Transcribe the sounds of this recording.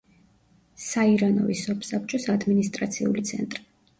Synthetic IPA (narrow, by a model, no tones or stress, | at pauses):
saiɾanɔvisɔpʰsap̚ʰt͡ʃʼɔsad̪minist̪ʼɾat̪sʰiṵlit̪sʰɛ̰nt̪ʼɾi̥